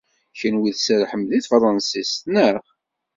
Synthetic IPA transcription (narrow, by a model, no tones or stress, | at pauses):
çənwiðsæɾħəmːðiθfɾˤɑnsist̪nəʁ